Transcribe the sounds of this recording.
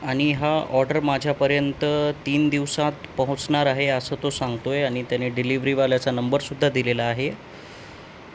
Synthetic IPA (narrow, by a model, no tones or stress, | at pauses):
aɽ̃iɦaɔɾɖəɾmad͡ʑʱjapəɾjənt̪ət̪iːnd̪iʋsat̪pəɦut͡snaɾaɦeəsəːt̪osãŋɡt̪ojeaɽ̃it̪janeɖiliʋɾiʋaljat͡sanəmbəɾsud̪ʱːad̪ilelaːɦe